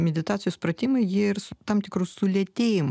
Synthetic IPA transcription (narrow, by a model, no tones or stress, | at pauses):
mʲɛd̪ʲɪt̪ɑːt̪sʲɪjuspɾɐt̪ʲimɐjɪɪrst̪ɐmt̪ʲɪkɾusʊlʲɛt̪ʲejɪm